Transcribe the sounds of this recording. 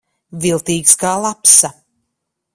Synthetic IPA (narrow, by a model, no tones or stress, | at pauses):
vilˠt̪iːkskaːlˠapsa